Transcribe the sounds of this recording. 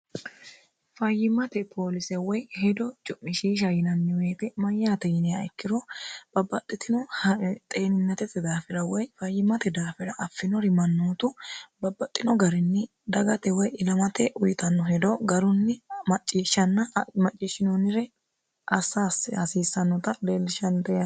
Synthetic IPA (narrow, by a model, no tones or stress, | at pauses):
fɐjːɪmɐt̪ɛpʰo̞ːlɪsɛwɔjhɛd̪ɔt͡ʃʊʔːɪʃiːʃ̬ɐjɪnɐnːɪweːt̪ɛmɐjːaːt̪ɛjɪnɛjɐɪkːɪɾɔb̥ɐbːɐt̪ʼːɪt̪ɪnɔht̪ʼeːnɪnːɐt̪ɛt̪ːɛd̪aːfɪɾɐwɔjfɐjːɪmɐt̪ɛd̪aːfɛɾɐʔɐfːɪnɔɾɪmɐnːuːt̪ʊbɐbːɐt̪ʼːɪnɔɡɐɾɛnːɪ | d̪ɐɡɐt̪ɛwɔjɪlɐmɐt̪ɛʔʊjɪt̪ɐnːɔɦɛd̪ɔɡɐɾʊnːɪmɐt͡ʃʼːiːʃːɐnːɐmɐt͡ʃʼːiːʃɪnonɪɾɛ | ʔɐsaːshɐsiːsːɐnːɔt̪ɐd̪eːlɪʃɐnt̪ɛjɐ